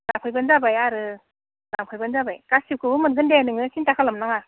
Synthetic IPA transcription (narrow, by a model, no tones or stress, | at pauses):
laŋpʰɯjbɯnzabajaɾɯ | laŋpʰɯjbɯnzabajkasiwkʰɯbɯmɯnɡɯndeanɯŋɯsintakʰalamnaŋa